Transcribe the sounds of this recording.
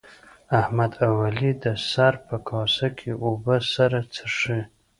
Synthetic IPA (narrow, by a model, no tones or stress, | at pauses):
ahmad̪awalidasarpʰakʰɑsakʲʰiʔubəsaɾat͡sʰaʂɨ